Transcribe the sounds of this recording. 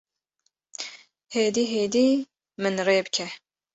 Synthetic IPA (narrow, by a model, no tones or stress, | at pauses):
heːd̪iːɦeːd̪iː | mɨnreːbɨkʲʰɛ